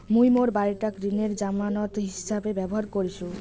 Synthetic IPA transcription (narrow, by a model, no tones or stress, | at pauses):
mujmoɾbaɾʈakɾineɾd͡ʑamanɔt̪ɦisabebɛboɦaɾkoɾit͡ɕʰu